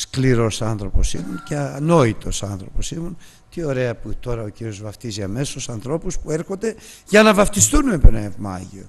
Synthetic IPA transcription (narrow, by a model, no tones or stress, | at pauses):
skliɾo̞sɐnθɾo̞po̞simunceɐːno̞it̪o̞sɐnθɾo̞po̞simun | t̪io̞ɾe̞ɐput̪o̞ɾɐociɾio̞zvɐft̪iziɐme̞sosɐnθɾo̞puspueɾxond̪e̞ | ʝɐnɐvɐft̪ist̪unme̞pnevmɐɐ̰ʝio̞̰